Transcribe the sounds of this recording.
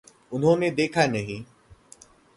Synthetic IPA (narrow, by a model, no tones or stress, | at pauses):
ʊnɦõːmẽd̪eːkʰaːenɐɦĩː